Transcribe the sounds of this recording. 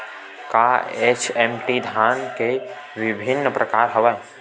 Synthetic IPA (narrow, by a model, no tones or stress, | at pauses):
kaet͡ʃʰemʈid̪ʱaːnke | ʋɪbʱɪnːəpɾəkaːɾɦəʋɛː